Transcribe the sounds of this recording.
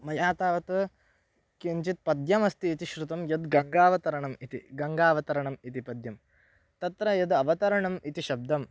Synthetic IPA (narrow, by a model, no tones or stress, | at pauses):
mɐjaːt̪aːʋɐt̪ | kiɲt͡ʃit̪̚pɐd̪jɐmɐst̪iːt̪iʃɾut̪ɐmjɐd̪ɡɐŋɡaːʋɐt̪ɐɾɐɳɐmit̪ḭɡɐŋɡaːʋɐt̪ɐɾɐɳɐmit̪ipɐd̪jɐm | t̪ɐt̪ɾɐjɐd̪ɐʋɐt̪ɐɾɐɳɐmit̪iʃɐb̚d̪ɐm